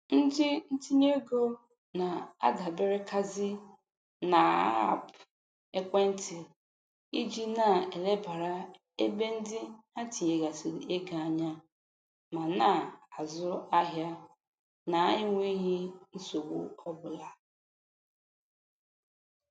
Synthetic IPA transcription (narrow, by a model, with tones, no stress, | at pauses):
n̩˦dɪ˦n̩˦ti˦ɲe˦ɡo˦ | na˨a̰˦ɡa˨bɪ˦ɾɪ˦ka˦zɪ˦ | na˨a˦a̰˦˨p | e˦kʷe˦n̩˦tɪ˨ | i˦d͡ʒi˦na˨e˨le˦ba˨ɾa˦ | e˦be˦n̩˦dɪ˦a˦ti˨ɲe˨ɡa˨si˨e˦ɡa˨a˨ɲa˦ | ma˨na˦˨a˨zʊ˦a˦ɦja˦ | na˨a˦ɲɪ˦ŋʷe˦ɦi˦n̩˦so˨wṵ˦ɔ˦bʊ˨la˨